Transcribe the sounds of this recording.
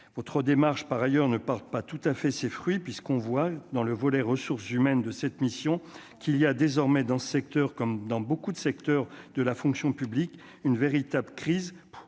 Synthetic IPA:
vɔt̪χəd̪emaʁʃpaʁajœʁnəpaʁt̪̚pat̪ut̪afɛsefχɥipɥiskɔ̃vwad̪ɑ̃ləvɔlɛʁəsuʁsymɛnd̪əsɛt̪misjɔ̃kiliad̪ezɔʁmɛd̪ɑ̃səsɛk̚t̪œʁkɔmd̪ɑ̃bokud̪əsɛk̚t̪œʁd̪əlafɔ̃ksjɔ̃pyblik | ynveʁit̪abləkχiz

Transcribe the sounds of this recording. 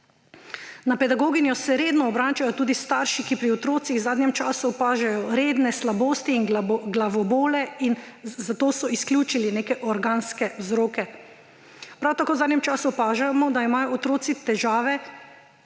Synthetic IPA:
napɛd̪aɡoːɡinjɔsɛɾeːd̪nɔːbɾaːt͡ʃajɔt̪uːd̪ist̪aːɾʃikipɾiɔt̪ɾoːt̪siɣzaːd̪njɛmt͡ʃaːsupaːʒajɔɾeːd̪nɛslaboːst̪iːnɡlaʋɔboːlɛinzat̪oːsɔisklʲjuːt͡ʃilineːkɛʔɔɾɡaːnskɛwzɾoːkɛ | pɾawt̪akoːwzaːd̪nɲjɛmt͡ʃaːsupaːʒamɔd̪aimaːjɔːt̪ɾoːt̪sit̪ɛʒaːʋɛ

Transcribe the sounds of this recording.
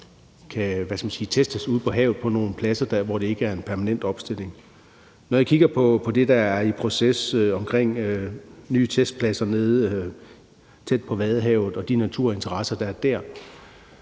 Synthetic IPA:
kʰæʋæskæmænsiːt͡sʰesd̥əsuð̞̰ˠpʰɒ̽ɦɛ̰ːʊð̞̩ˠpʰɒ̽no̝ːn̩pʰlæsɐd̥ɑʋɒd̥e̝e̝ɡ̥əæɐe̝npʰæɐmænen̰d̥ɒ̽b̥sd̥e̝l̰e̝ŋ | nɒjakʰiɡ̥ɐpʰɒ̽pʰɒ̽d̥e̝d̥ɑ̈æɐipʰʁo̝sesɒ̽mkʰʁeŋ̰ønyːt͡sʰesd̥̚pʰlæsɐne̝ð̞ˠ | t͡sʰed̥̚pʰɒ̽ʋɛð̞ˠɦɛʊ̰ð̞̩ˠɒ̽d̥inæt͡sʰuɐ̰e̝nt͡sʰɐʁɑ̈sɐd̥ɑ̈æɐd̥æɐ̰

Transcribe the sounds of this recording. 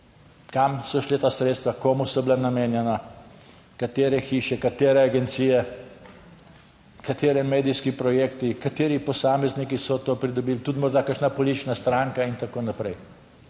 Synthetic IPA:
kamsɔʃlet̪aːsɾeːt̪st̪ʋakoːmusɔbilanameːnjɛna | kat̪eːɾɛxiːʃɛkat̪eːɾɛaɡɛnt̪siːjɛ | kat̪eːɾɛmeːd̪ijskipɾɔjeːkt̪ikat̪eːɾipɔsaːmɛznikisɔt̪oːpɾid̪ɔbiːlt̪ut̪mɔɾd̪akəɾʃnapɔlit̪it͡ʃnast̪ɾaːŋkaint̪akoːnapɾɛj

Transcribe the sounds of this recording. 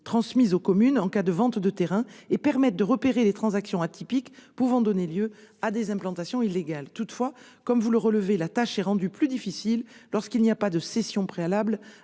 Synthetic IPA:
t̪χɑ̃smizokɔmynɑ̃kad̪əvɑ̃t̪d̪ət̪eʁɛ̃epɛʁmɛt̪̚d̪əʁəpeʁelet̪χɑ̃zaksjɔ̃at̪ʰipikpuvɑ̃d̪ɔneljøad̪ezɛ̃plɑ̃t̪asjɔ̃ilːeɡalt̪ut̪fwa | kɔmvuləʁələvelat̪aʃɛʁɑ̃d̪yplyd̪ifisilːɔʁskilniapad̪əsɛsjɔ̃pχealabl

